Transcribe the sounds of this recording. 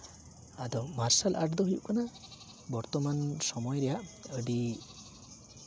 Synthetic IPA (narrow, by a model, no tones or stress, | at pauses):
ad̪ɔmaɾsalʔa̰ʈd̪ɔɦijṵkana | bɔɾt̪ɔmansɔmɔjɔɾɛjaʔəɖi